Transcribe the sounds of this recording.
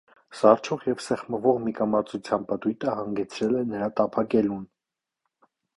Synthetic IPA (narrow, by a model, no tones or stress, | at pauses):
sɑrt͡ʃʰɔʁjɛvsɛχməvɔʁmikɑmɑt͡sut͡sʰjɑnpət̪ujt̪əhɑŋɡɛt͡sʰɾɛlɛnəɾɑt̪ɑpʰɑkɛlun